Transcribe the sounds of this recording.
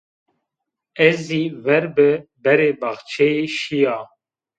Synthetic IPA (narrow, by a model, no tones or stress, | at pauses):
ɛziːvɛɾbɨbɛɾeːbaxt͡ʃʰɛjeːʃijaː